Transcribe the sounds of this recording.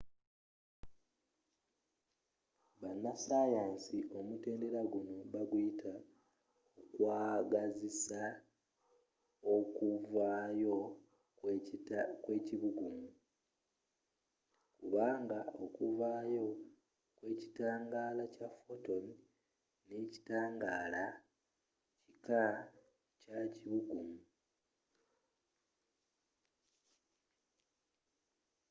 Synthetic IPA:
βanːasajaːnsiʔo̞mute̞ːnde̞ɾaɡuno̞βaɡujitʰa | okwaːɡazisa | okuvajo̞ | kwe̞ːciβuɡumu | kuβaːŋɡaokuvaːjo̞ | kwe̞ːci̥taːŋɡaːlacafoto̞ni | nːeci̥taːŋɡaːla | cika | caciβuɡumu

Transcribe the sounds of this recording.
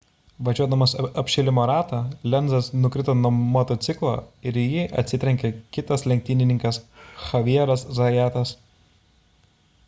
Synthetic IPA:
ʋɐʒʲuɔd̪ɐmɐsɐpʲʃʲɛlʲɪmoːɾɑːt̪ɑːlʲɛnzɐsnʊkɾʲɪt̪oːnɔmɔt̪ot̪sʲɪklˠo̰ːɪɾjɪʔɐ̰t̪ʲsʲɪt̪ʲɾʲɛŋʲkʲɛkʲɪt̪ɐslʲɛŋʲk̚t̪ʲɪnʲɪnʲɪŋkɐsxɐʋʲiɛɾɐszɐjæːt̪ɐs

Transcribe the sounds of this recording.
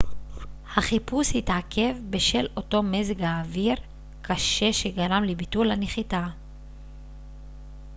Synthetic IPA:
haχipushitakʰe̞vbeʃe̞lo̞to̞meziɡaːviʁ | kʰaʃe̞ʃeɡaʁamlibitulhaneχita

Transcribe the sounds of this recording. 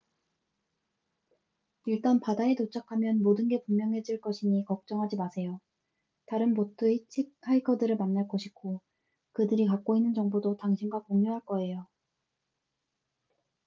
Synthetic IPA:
iɭt͈anpadaetot͡ɕʰakʰamjʌnmodɯnɡe̞pummːjʌŋɦe̞d͡ʑiɭk͈ʌɕʰiɲikʌk̚t͡ɕ͈ʌŋɦad͡ʑimasʰe̞jo | taɾɯnpotʰɯit͡ɕʰik̚ʰaikʰʌdɯɾɯɭmanːaɭk͈oɕʰi̥kʰo | kɯdɯɾikak͈oinːɯnt͡ɕʌŋbodotaŋɕʰinɡwakoŋɲuɦaɭk͈ʌe̞jo

